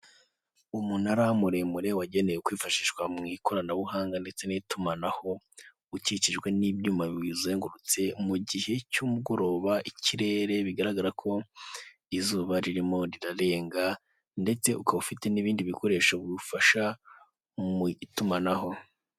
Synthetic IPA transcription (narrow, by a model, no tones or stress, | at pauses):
umunaɾamuɾe̞muɾe̞waɟe̞ne̞jekwiːfaʃiʃɡwamŋiːkʰo̞ɾanaβuhaːŋɡande̞t͡se̞nitumanaho̞ | uciciʒɡwe̞nibjuːmaβiwizueːŋɡuɾut͡se̞muɟihe̞cumuɡo̞ɾo̞ːβaʔiciɾe̞ɾe̞βiɡaɾaɡaɾakʰo̞ | izuːβaɾiɾimo̞ɾiɾaɾe̞ːŋɡa | nde̞t͡se̞ukaufite̞niβiːndiβiko̞ɾe̞ːʃaβuɾufaʃa | tumanaɦo̞